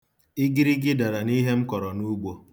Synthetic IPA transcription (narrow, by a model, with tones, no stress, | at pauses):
ɪ˦ɡi˦ɾi˦ɡɪ˦da˨ɾa˨ni˦ɦe˦ŋ͡m̩˦kɔ˨ɾɔ˨nu˦ɡ͡bo˦